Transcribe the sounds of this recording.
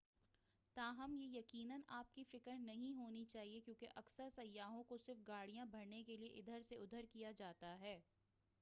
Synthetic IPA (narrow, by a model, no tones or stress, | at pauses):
t̪aːɦɐmjejɐkiːnənaːp̚kifɪkəɾnɐɦĩɦoːnit͡ʃaːɦiekjõːkeʔɐksəɾsɐjːaːɦõkosɪɾfɡaːɽ̤ijãbʱɐɾnekelieʔɪd̪ʱəɾseʊd̪ʱəɾkijad͡ʒaːt̪aɦɛː